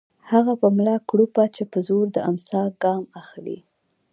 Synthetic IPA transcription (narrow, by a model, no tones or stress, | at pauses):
haɣapəmlɑkɽupat͡ʃepəzoɾd̪əamsɑɡɑmaxlḭ